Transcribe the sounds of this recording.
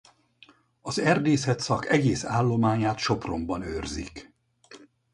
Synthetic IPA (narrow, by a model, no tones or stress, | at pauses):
ɒzɛrd̪eːsɛt̪sɒkʰɛɡeːsaːlːo̞maːɲaːt̪ʃo̞pro̞mbɒnøːrzḭk